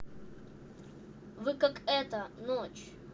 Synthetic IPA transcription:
vɨkakɛt̪ənot͡ɕ

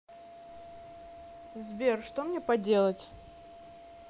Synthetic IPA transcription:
zbʲerʂt̪omnʲepɐdʲe̞lˠətʲ

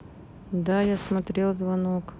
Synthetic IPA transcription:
d̪ajasmɐt̪ɾʲelˠzvɐnok

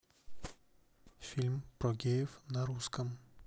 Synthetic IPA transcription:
fʲilʲmpɾɔɡʲejɪfnaɾuskəm

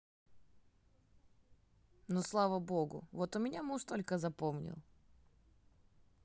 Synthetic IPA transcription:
noslˠavəbo̞ɡʊ̰vot̪ʊmʲɪnʲamuʂt̪olʲkəzɐpomnʲɪ̰lˠ

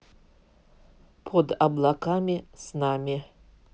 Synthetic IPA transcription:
pʰod̪ablˠakʰamʲisnamʲi

